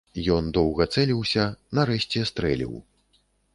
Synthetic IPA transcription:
jɔnd̪ɔwɣɐt̪sɛlʲiwsʲɐnɐɾɛɕʲt͡sʲɛst̪ɾɛlʲḭw

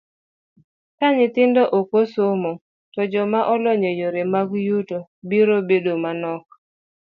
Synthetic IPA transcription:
kaɲɪt̪ɪndɔʔokosomo | tɔd͡ʒɔmaʔɔlɔɲojoɾemaɡjutobiɾobedomanɔk̚

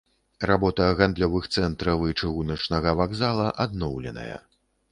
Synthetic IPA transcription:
rabɔt̪ɐɣand̪lʲɔvɨxt̪sɛnt̪ɾɐvɨt͡ʂɨɣunɐt͡ʂnɐɣɐvaɡzalˠɐʔad̪nɔwlʲɛ̰nɐ̰jɐ̰

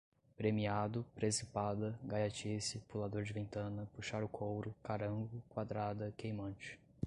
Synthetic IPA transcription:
pɾemiad̪ʊpɾesipad̪ɐɡajat͡ʃisɪpulad̪oɾd͡ʒɪvẽnt̪ɐ̃nɐpuʃaɾʊkʰowɾʊkaɾɐ̃ŋɡʊkwad̪ɾad̪ɐkejmɐ̃t͡ʃɪ̥

